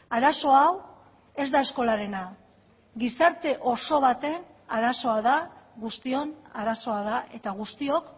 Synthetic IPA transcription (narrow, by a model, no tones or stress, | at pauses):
aɾaso̞aw | e̞zd̪ae̞sko̞laɾe̞na | ɣisaɾt̪e̞ʔo̞so̞β̞at̪e̞n | aɾaso̞aðaɣust̪io̞naɾaso̞aðaʔe̞t̪aɣ̞ust̪io̞k